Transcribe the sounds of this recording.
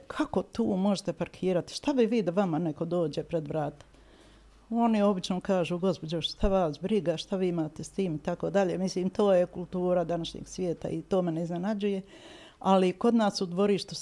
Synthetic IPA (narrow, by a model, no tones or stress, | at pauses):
kʰako̞t̪uːmo̞ʒet̪e̞paɾkʰiːɾat̪i̥ʃt̪aʋiʋiːd̪aʋamane̞ko̞d̪o̞ːd͡ʑe̞pɾed̪ʋɾaːt̪ḁ | o̞nio̞bit͡ʃnokaːʒuɡo̞spo̞d͡ʑoʃʃt̪aʋaːsbɾiɡaʃt̪aʋiːimaːt̪est̪iːmit̪ako̞ːd̪aʎe̞ːmisliːmt̪o̞ːjekulˠt̪uːɾad̪anaʃɲḛɡ̥sʋje̞ːt̪a̰it̪o̞ːmeneiznenad͡ʑuje̞ | aliko̞d̪naːsud̪ʋo̞ɾiːʃt̪u